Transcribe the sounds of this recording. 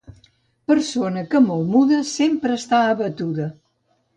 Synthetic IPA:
pəɾsonəkəmolmuðəsempɾəːst̪aəβət̪uðə

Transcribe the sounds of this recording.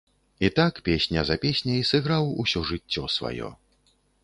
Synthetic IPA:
it̪akpʲesʲnʲɐzɐpʲesʲnʲɐisɨɣɾawusʲɔʐɨt͡sʲːɔsva̰jɔ̰

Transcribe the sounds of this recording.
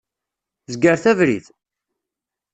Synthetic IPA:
zɡəɾθævɾiθ

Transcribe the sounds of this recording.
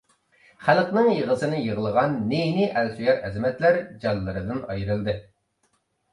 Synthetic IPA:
χælˠqnɨŋjəʁəsɨnɨjəʁəlˠəʁɑnːenɪʔælsyjɛɾɛzɪmɛt̪læɾd͡ʒɑlːɨɾɨd̪ɨnɑjɨɾɨlˠd̪ɨ

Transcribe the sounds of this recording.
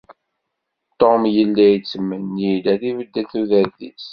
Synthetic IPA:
t̪ːomjəlːæjt͡sːəmːənːilæθivəd̪ːəθuðæɾθḭs

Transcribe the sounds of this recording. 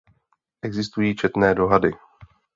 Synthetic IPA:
ʔɛɡzɪst̪ujiːt͡ʃɛt̪nɛːdo̞ɦadɪ

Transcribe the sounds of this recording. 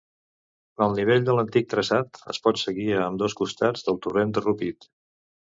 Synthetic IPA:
əlˠniβ̞eʎʲd̪ələnt̪ik̚t̪ɾəsat̪ə̰spɔt̪səɣiəmd̪ɔskust̪ad͡zðəlˠt̪urend̪ərupit̪

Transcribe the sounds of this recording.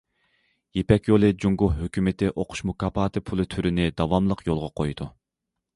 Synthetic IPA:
jepɛkʲjolˠɨd͡ʒuŋɡʊhɦøkʲymɪt̪ɪʔoqʰʊ̥ʃmukɑːpʰɑːt̪ɨpʰulˠɨt̪ʰyɾɪnɪd̪ɑwɑmlˠəqʰjolˠʁɑqʰojd̪̥u

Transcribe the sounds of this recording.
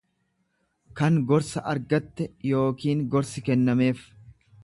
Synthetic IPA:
kɐŋɡɔɾsɐʔɐɾɡɐt̪ːɛjo̞ːkiːŋɡɔɾsɪkɛnːɐme̞ːf

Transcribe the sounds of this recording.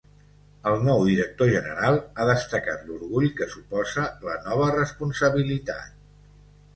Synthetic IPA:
əlˠnɔwðiɾək̚t̪oʒənə̰ɾalˠaðəst̪əkat̪luɾɣuʎkəsupɔzələnɔβ̞ərəspunsəβilit̪a̰t̪̚

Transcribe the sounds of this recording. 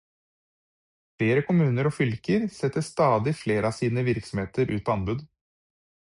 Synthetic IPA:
fleːɾəkʰʊmʉːnəɾoːfʏlkəɾsɛt̪ːəst̪ɑːd̪ɪfleːɾəɑːsiːnəʋɪɾksɔmheːt̪əɾʔʉ̰ːt̪ːɑnbʉd̪

